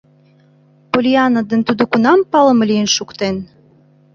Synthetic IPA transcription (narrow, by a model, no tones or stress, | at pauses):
polʲiɑnəd̪ə̆nt̪ud̪okunɑmpɑlə̆mlʲijənʃukt̪en